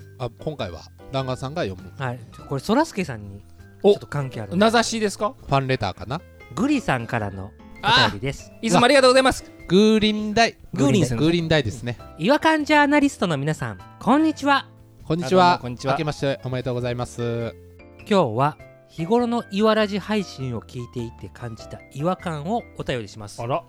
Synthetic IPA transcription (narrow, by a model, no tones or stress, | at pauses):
akʰõ̞ŋkaiβa̰ | d̪ãŋɡasãŋɡajõ̞̰mɯ̟haikoɾeso̞ɾasɨ̥kesã̰ɲ̟ːi | t͡ʃot̪ːokãŋke̞ːaɾnnazaɕiːd̪e̞sɨ̥kaɸãnɾe̞t̪a̰ːkana | ɡɯ̟ɾʲisãŋkaɾa̰no̞̰ | at̪abʲid̪e̞sɨ̥imaɾʲiɡat̪oːɡozaimasɨ̥ | ɡ̥ɯ̟ːɾʲĩnd̪aiɡɯɾʲĩɡɯ̟ːɾʲĩnd̪aid̪e̞sɨne̞iβakãɲ̟d͡ʑaːnaɾʲisɨ̥t̪o̞no̞mʲinasã̰ŋkʰõ̞ɲ̟ːit͡ɕiβa | kõɲ̟ːt͡ɕiβaakemaɕi̥t̪eʔomaet̪o̞ːɡo̞zaimasɨ | kʲo̞ːβa | çiɡo̞ɾo̞no̞ʔiβaɾaʑihaiɕĩɰ̃o̞kʲiːt̪e̞it̪e̞kʰãɲ̟d͡ʑi̥t̪aiβakãɰ̃o̞ːt̪ajo̞ɾʲiɕimasɨ̥